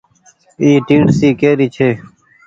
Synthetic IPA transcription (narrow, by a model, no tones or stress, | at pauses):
iːʈĩːɳsiːkeːɾiːt͡ʃʰeː